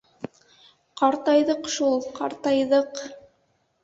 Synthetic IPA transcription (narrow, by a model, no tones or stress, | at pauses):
qɑɾt̪ɑjðɤqʃulˠqɑɾt̪ɑjðɤq